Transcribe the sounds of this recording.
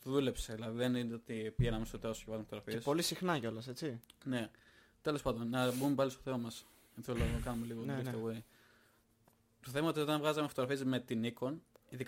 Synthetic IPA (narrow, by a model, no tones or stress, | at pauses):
ðule̞pseðilɐðiðenineot̪ipiʝenɐmesot̪iosevɐzumefot̪ɣɾɐfiespo̞lisixnɐʝo̞lɐse̞t͡sine̞ | t̪e̞lospɐnd̪o̞nːɐbuumepɐlisto̥θe̞mɐmɐs | eθelokɐnumeliɣoifst̪owe | t̪oθe̞mɐo̞t̪io̞t̪ɐnvɣɐzɐmefot̪oɾɐfiezme̞t̪iniko̞niðik